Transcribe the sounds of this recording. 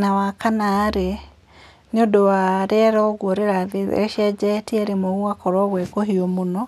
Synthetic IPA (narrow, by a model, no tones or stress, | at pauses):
nawakanaɾe | neodowaɾeɛɾɔoɣwoɾeɾaðeḛeʃiɛd͡ʒɛtiɛɾemoɣwakɔɾwɔβwekoɦiɔmonɔ